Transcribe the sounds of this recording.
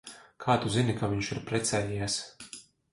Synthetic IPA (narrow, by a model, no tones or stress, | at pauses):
kʰaːt̪uzinikavʲiɲt͡ʃiɾpɾɛt̪sɛːjiɛs